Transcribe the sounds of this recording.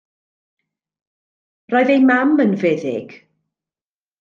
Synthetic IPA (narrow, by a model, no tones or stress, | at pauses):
rɔɨðejmamənvɛðɪ̰ɡ̥